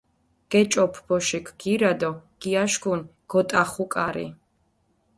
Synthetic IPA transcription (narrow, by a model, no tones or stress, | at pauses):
ɡ̥ɛt͡ʃʼɔpʰb̥ɔʃikʰɡ̥iɾad̪ɔɡ̥iaʃɡunɡ̥ɔt̪ʼaχukʼaɾḭ